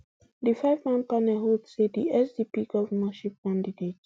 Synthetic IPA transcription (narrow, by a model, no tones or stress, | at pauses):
difaɪvmãnpanɛɦodsediɛsdipiɡɔvəmaʃip̚kãndidet